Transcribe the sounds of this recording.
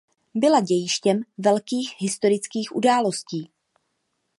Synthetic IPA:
bɪlaɟɛjɪʃcɛmvɛlkiːxɦɪst̪o̞ɾɪt͡skiːxʔudaːlo̞sciː

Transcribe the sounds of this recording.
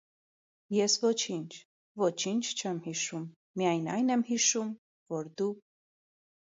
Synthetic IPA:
jɛsvɔt͡ʃʰint͡ʃʰ | vɔt͡ʃʰint͡ʃʰt͡ʃʰɛmhiʃumː | ijɑjnɑjnɛmhiʃum | vɔɾd̪u

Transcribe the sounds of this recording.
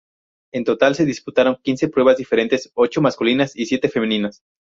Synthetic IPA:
e̞nt̪o̞t̪alse̞ðisput̪aɾo̞ŋkinsepɾwe̞βazðife̞ɾe̞nt̪eso̞t͡ʃo̞maskulinasisje̞t̪e̞femenĩnas

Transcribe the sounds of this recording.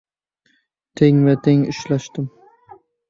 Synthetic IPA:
t̪ʰeŋvat̪ʰeŋɪʃlaʃt̪ɪm

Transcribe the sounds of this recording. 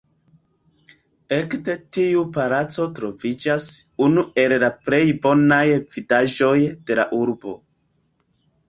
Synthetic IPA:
e̞kde̞tiupaɾat͡so̞tɾo̞vid͡ʒasunue̞llapɾe̞jbo̞najvidaʒo̞jd̥e̞la̰ʔuɾbo̞̰

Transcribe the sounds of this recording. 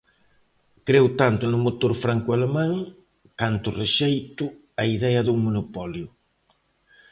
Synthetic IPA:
kɾewt̪ant̪ʊnʊmot̪oɾfɾaŋkʊalemãŋ | kant̪ʊreʃejt̪ʊ | ɐiðɛjɐðuŋmonopɔljʊ

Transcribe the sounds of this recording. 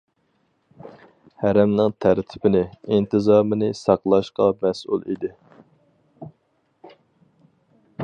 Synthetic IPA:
hæɾɛmnɪŋt̪ʰæɾt̪ʰɪ̥pɪnɪint̪ʰɪzɑːmɨnɪsɑqlˠɑʃqɑmɛsṵlˠḭd̪ɪ

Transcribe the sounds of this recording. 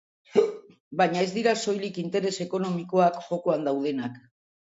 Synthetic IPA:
baɲae̞zd̪iɾaso̞jlikint̪e̞ɾe̞se̞ko̞no̞miko̞akʝo̞koand̪awð̞e̞nak

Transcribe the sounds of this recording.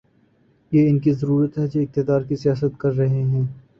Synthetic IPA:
jeːɪnkizɐɾuːɾət̪ɦɛd͡ʒeɪk̚t̪ɪd̪aːɾkisijaːsət̪kɐɾːɐɦeɦɛ̃ː

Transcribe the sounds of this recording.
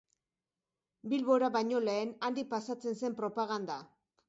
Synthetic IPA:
bilβo̞ɾaβajɲo̞leːnand̪ik̚pasat͡se̞nse̞mpɾo̞paɣand̪a

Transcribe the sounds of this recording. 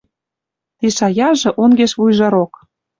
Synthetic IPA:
t̪iʃɑjɑʒɤ̆ʔonɡeʃβujʒɑɾok

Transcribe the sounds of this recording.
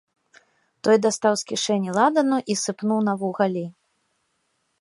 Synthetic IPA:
t̪ɔjd̪ast̪awskʲiʂɛnʲilˠad̪ɐnuʔisɨpnuwnɐvuɣalʲi

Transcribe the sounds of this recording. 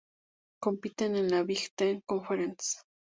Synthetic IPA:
kompit̪enenaβixt̪eŋkonfeɾent͡s

